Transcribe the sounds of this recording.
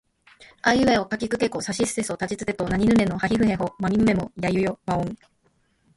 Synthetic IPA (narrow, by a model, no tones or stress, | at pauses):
aiɯ̟eokakʲikɯ̟ke̞kosaɕisɨ̥sesot̪at͡ɕit͡sɨd̪e̞t̪onaɲ̟inɯ̟ne̞no̞haçiɸɯ̟he̞ɦo̞mamʲimɯ̟me̞mo̞jajɯ̟jomaõŋ̃